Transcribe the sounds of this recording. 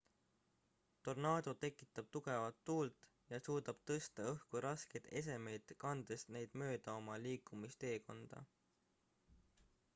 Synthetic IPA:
t̪o̞rnɑːd̪̥o̞t̪e̞kːˑi̥t̪ːˑɑb̥̚t̪uɡ̥e̞vɑt̪ːuːlt̪ˑ | jɑsuːd̪̥ɑb̥t̪ɤst̪ɑɤhkuɾɑske̞jd̪e̞s̬e̞me̞jd̪̥kɑnd̪̥est̪nejd̪̥mø̞ːd̪̥ɑo̞mɑliːkˑːumist̪e̞ːko̞nd̪̥ɑ̰

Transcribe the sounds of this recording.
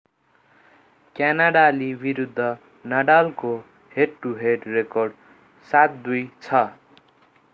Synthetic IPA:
kjanaɽalibiɾud̪ʱːʌ | naɽalko | heɖ̚ʈuɦeɖrekorɖ | sat̪̚d̪ujt͡sʰʌ

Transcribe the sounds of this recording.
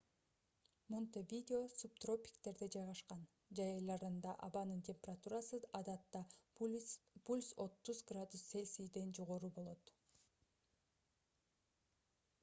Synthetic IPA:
mont̪evʲid̪ʲɪo̞sup̚t̪ro̞pʲi̥kt̪e̞ɾd̪ed͡ʒɑjʁɑʃqɑn | d͡ʒɑjɑjlˠɑɾɯnd̪ɑʔɑbɑnɯntʲʰemʲpʲerat̪uɾɑsɯɑd̪ɑt̪ːɑ | pulʲso̞t̪ːuzɡrad̪use̞lʲsijd̪e̞nd͡ʒo̞ʁo̞ɾubo̞lˠo̞t̪

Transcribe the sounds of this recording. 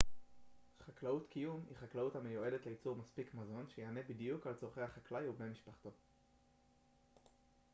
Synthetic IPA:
χaklautkijumḭχaklauthamejue̞detleit͡suʁmaspikmazo̞nʃejeane̞bidjukalt͡soʁχejhaχaklajubnemiʃpaχt̪o̞

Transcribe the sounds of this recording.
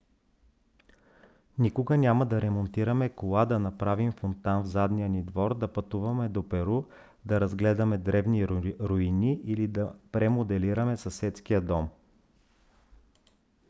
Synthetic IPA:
nikʊɡənʲamɐd̪ɐɾɛmont̪iɾəmɛkolˠad̪ɐnɐpɾavimfont̪anvzad̪nijənid̪vɔɾd̪ɐpɐt̪uvɐmɛd̪opɛɾu | d̪ɐɾɐzɡlɛd̪ɐmɛd̪ɾɛvniɾoiniʔilid̪ɐpɾɛmod̪ɛliɾɐmɛsɐsɛt̪skijəd̪ɔm

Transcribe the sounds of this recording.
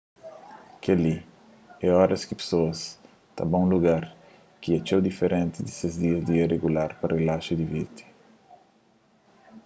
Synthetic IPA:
kɐli | ɛɔɾɐskipe̥soɐs | t̪a̰bɐ̃ũluɡaɾ | kiɐt͡ʃewd̪ifeɾʔẽnt̪id̪isezd̪iɐzd̪iɐreɡulaɾpɐrelaʃud̪ivit̪i̥

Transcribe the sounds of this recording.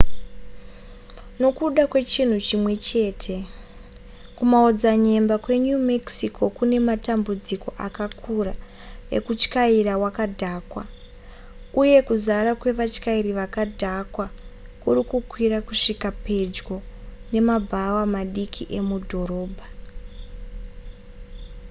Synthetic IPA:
no̞kuɗakwe̞t͡ʃin̤ut͡ʃimwe̞t͡ʃe̞ːtʰe̞ | kumaod͡zaɲe̞mbakwe̞ɲumeksikʰo̞kune̞matambud͡ziko̞ʔakakʰuɾa | e̞̰kut͡ʃkairawakadʱaːkwa | uje̞kuzaɾakwe̞ʋat͡ʃkairiʋakadʱakwakuɾikukwirakuʂikape̞d͡ʒɡo̞ne̞mabʱawamaɗikʰiʔe̞mudʱo̞ɾo̞ːbʱa

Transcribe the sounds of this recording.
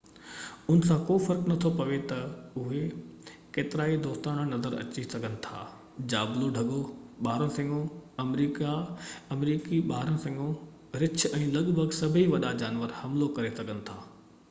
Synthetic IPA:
ʊnsãːkoːfɐɾknɐt̪ʰopɐʋet̪ɐʊɦe | keːt̪ɪɾaːid̪oːst̪aːɽ̃ə̃nɐzəɾɐ̰t͡ɕisɐɡʱənɪ̆t̪ʰa̰ː | d͡ʑaːbloɖʱɐɠoɓaːɾə̃sɐ̃ŋɡõɐmɾiːkaɐmɾiːkiɓaːɾə̃sɐ̃ŋɡõ | ɾɪt͡ɕʰɛ̃ːlɐɠbʱəɡsɐbʱiʋɐɗad͡ʑaːnʋəɾhɐmlokɐɾesɐɠənɪ̆t̪ʰaː

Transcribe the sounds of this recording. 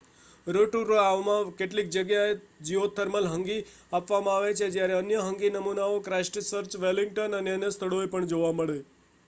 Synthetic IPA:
ɾoʈuɾoaʋmãkeʈlik̚d͡ʒəɡjaed͡ʒiʋot̪ʰəɾməlɦəŋɡi | apʋamãaʋet͡ʃʰed͡ʒjaɾeənjəɦəŋɡinəmunaokɾasʈsəɾt͡ʃʋɛliŋɡʈənəneənest̪ʰəɭoepəɳd͡ʒoʋaməɭe

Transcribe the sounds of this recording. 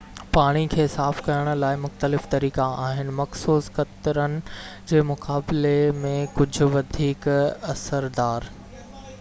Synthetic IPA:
paːɽ̃ikʰeːsaːfkɐɾəɽ̃ʊ̆laːɪmʊxt̪əlɪft̪ɐɾiːkaaːɦɪnɪ̆mɐxsuːsxɐt̪ɾənɪ̆d͡ʑeːmʊkaːblemẽkʊd͡ʑʱʊ̆ʋɐd̪ʱiːkɐsəɾd̪aːɾ

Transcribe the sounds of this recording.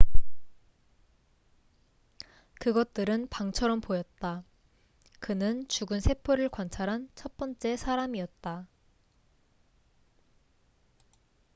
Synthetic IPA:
kɯɡʌt̚t͈ɯɾɯnpaŋt͡ɕʰʌɾʌmpojʌt̚t͈a | kɯnɯnt͡ɕuɡɯnsʰe̞pʰoɾɯɭkwant͡ɕʰaɾɦant͡ɕʰʌt̚p͈ʌnt͡ɕ͈e̞sʰaɾamiʌt̚t͈a

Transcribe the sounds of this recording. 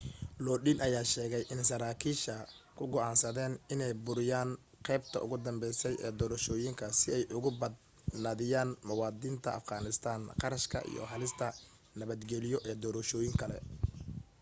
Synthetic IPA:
lɔːɗinʔɐjaːʃɛːɣɛjʔɪnsɐɾaːkʰiːʃɐ | kʰʊɡɔʕɑːnsɐðɛːnɪnɛjbʊɾɪjaːn | qɛjb̚t̪ʰɐ̰ʔʊ̰ɣʊd̪ɐmbɛjsɛjɛ̰ːd̪ɔːɾɐʃɔːjɪŋkʰɐsɪɛjʔʊɣʊbɐd̪̚ | nɐðɪjaːnmɐwɑːd̪iːnt̪ʰɐʔɐ̰fɡɑːnɪst̪ʰaːnqɑɾɐʃkʰɐ̰ʔḭjɔ̰ɦɐlɪst̪ʰɐ | nɐβɐd̪ɡɛlɪjɔʔɛːd̪ɔːɾɐʃɔːjɪŋkʰɐlɛ̰

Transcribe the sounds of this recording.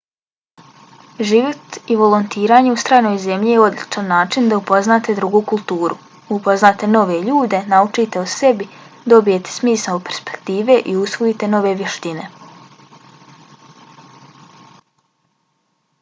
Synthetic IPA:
ʒiʋo̞t̪iʋo̞lˠont̪iːɾaːɲe̞ust̪ɾaːjnojze̞mʎijeo̞d̪lʲit͡ʃanːaːt͡ʃind̪aupo̞znaːt̪e̞d̪ɾuɡuːkulˠt̪uːɾʔṵ | upo̞znaːt̪e̞no̞ʋe̞ʎuːd̪e̞naut͡ʃit̪eose̞bid̪o̞bije̞t̪e̥smiːsaopeɾspe̞̥kt̪iːʋe̞ʔiusʋoit̪e̞no̞ʋe̞ʋjeʃt̪ine̞̰

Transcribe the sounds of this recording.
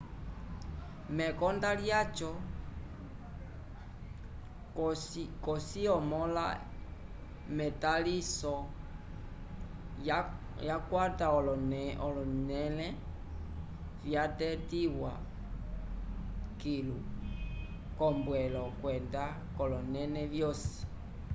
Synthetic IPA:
mɛkɔndaljat͡ʃɔ | kɔsiɔmɔla̰ | mɛtalisɔ | jakwataɔɔnɔlɔnɛlɛ | vjatɛtiwa̰ | kilu | kɔmbwɛlɔkwɛnda | kɔlɔnɛnɛvjɔsi̥

